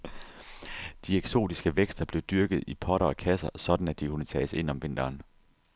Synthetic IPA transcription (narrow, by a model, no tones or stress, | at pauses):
d̥ieɡ̥so̝̰ːd̥isɡ̥əʋeɡ̥sd̥ɐb̥le̝ʊd̥yɐɡ̥ð̩ˠipʰɒ̽ɾɐɒ̽kʰæsɐsɒ̽d̥n̩æd̥ikʰunət͡sʰɛ̰ːse̝n̰ɒ̽mʋe̝n̰d̥ɐːn